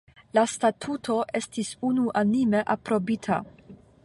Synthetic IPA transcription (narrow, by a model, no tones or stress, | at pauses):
lastatʰutʰo̞ʔe̞stisunuʔanime̞ʔapɾo̞bitʰa̰